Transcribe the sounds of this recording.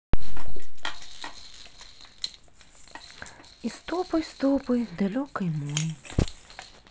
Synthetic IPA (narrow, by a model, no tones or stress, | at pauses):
ist̪ɔpɔjst̪ɔpɔjd̪alʲɔkɐjmɔji